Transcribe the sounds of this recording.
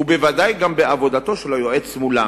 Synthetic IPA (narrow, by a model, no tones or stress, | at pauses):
ubevad̪ajɡambeavo̞d̪at̪o̞ʃelojoʔetsmula